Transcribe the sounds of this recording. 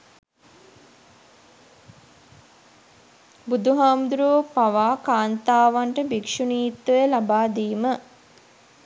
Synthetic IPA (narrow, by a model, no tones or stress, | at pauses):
bud̪uɦaːmd̪uɾuʋpaʋaːkaːnt̪aːʋaɳʈəbikʂuniːt̪ːəjəlabaːd̪iːmə